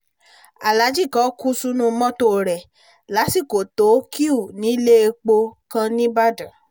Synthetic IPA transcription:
a˨la˨˦d͡ʒi˦˨kã˨˦ku˦su˦nũ˦˧mɔ̃˦to˦˨ɾɛ˨ | la˨˦si˦˨ko˨to˨˦ki˦u˦˨nĩ˨˦le˦e˧k͡po˧kã˧nĩ˦ba˦dã˨

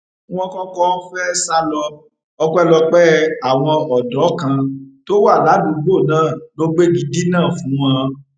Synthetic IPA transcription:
ɔ̃˧˦kɔ̃˦kɔ˦fɛ˦sa˦lɔ˧ | ɔ˦kʷɛ˦lɔ˧k͡pɛ˦a˨w̃ɔ̃˧ɔ˨dɔ˨˦kã˧to˦wa˦˨la˨˦dũ˨˦ɡ͡bo˦˨nãː˦˨lo˦ɡ͡be˦ɡi˨˧di˦nãː˦˨fũ˨˦w̃ɔ̃˧

